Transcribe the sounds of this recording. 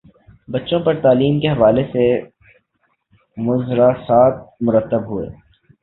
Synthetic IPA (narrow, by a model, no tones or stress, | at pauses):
bɐtːʃõpɐɾt̪aːliːmkeɦɐʋaːlese | mʊzɾasaːt̪̚mʊɾət̪ːəbɦuḛː